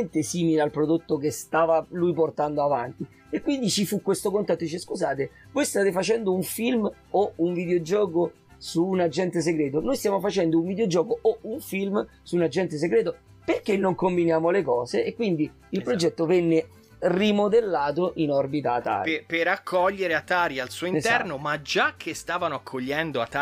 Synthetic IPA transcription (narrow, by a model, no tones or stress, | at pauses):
ent̪esiːmilealpɾod̪ot̪ːok̬est̪aːvalujport̪and̪oavant̪i | ekːwind̪it͡ʃifukːwest̪okont̪at̪ːod̪it͡ʃeskuzaːt̪e | vojst̪aːt̪efat͡ʃɛnd̪ouɱfilm | ouɱvid̪eod͡ʒɔːko | suːnad͡ʒːɛnt̪es̬eɡɾɛːt̪onojst̪jaːmofat͡ʃɛnd̪ouɱvid̪eod͡ʒɔːkoʔouɱfilmsunad͡ʒɛnt̪̬es̬eɡɾɛːt̪o | perkenːoŋkombinjaːmolekɔːzeekːwind̪i | ilpɾod͡ʒɛt̪ːovɛnːe | rimod̪elːaːt̪oʔinɔrbit̪aːt̪ːa̰ɾ̰peɾakʰːɔʎːeɾeat̪ːaːɾialsuoint̪ɛrnomad͡ʒakʰːest̪aːvanoakʰːoʎːɛnd̪oat̪ːa